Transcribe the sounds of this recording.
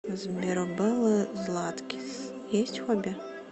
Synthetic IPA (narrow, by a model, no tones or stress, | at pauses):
zmʲiɾɔbɪlˠɨzlˠat̪kʲi̥s | jɛsʲtʲxɔbʲɛ